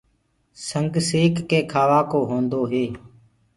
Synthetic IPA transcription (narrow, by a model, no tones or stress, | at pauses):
səŋɡseːkːeːkʰaːʋaːkoːɦõːnd̪oːɦeː